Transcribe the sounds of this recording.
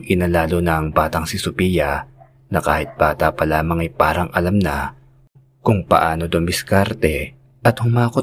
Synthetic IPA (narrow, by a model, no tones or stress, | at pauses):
ʔɪnɐlaːlonɐʔɐŋbaːt̪ɐŋsɪsʊpijɐ | nɐkaːhɪt̪̚b̥aːt̪ɐpɐlaːmɐŋɐjpaːɾɐŋɐlamnɐ | kʊŋpɐ̰ʔaːnod̪ombɪskaɾt̪ɛ | ʔɐt̪hʊmaːko